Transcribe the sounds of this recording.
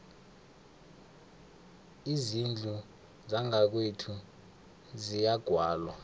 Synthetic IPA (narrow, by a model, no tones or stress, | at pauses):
izind͡ɮʱu | zaŋak̬wetʰu | zijaɡ̥ʱwaːlwa